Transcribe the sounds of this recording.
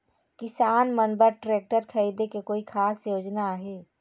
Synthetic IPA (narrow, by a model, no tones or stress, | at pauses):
kɪsaːnmənbəɾʈɾeːk̚ʈəɾkʰəid̪ekekoːikʰaːsjoːd͡ʒnaaɦeː